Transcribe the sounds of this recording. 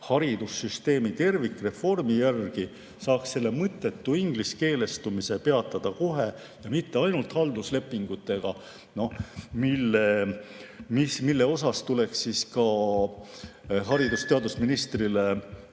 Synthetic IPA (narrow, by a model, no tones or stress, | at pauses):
hɑɾid̪̥usːyst̪e̞ːmit̪e̞rvikːˑre̞fo̞rmijærɡ̥i | sɑːksse̞lːe̞mɤt̪ːˑe̞t̪ːuiŋɡ̥liske̞ːle̞st̪umise̞pe̞ɑt̪ːˑɑd̪̥ɑko̞ɦe̞ | jɑmit̪ːe̞ɑjnult̪hɑld̪usle̞pːˑiŋɡ̥ut̪ːˑe̞ɡ̥ɑ | no̞hmilːe | mismilːe̞o̞sɑst̪ule̞ksiskɑ | ɦɑɾid̪̥ust̪e̞ɑd̪usminist̪rile